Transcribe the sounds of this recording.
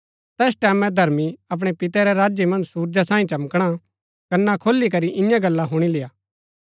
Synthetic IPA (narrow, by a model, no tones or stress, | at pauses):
t̪ɛːsʈɛːmɛ̃d̪ʱɐɾmiɐp̬ɽ̃epɪt̪ɛɾɛɾaːd͡ʒjemɐ̃nd͡ʒsuːɾd͡ʒasãːĩt͡ʃɐmkɽ̃a | kɐnɛakʰoːlːik̬ɐɾiʔɪjãɡɐlːaɦʊɽ̃ileːaː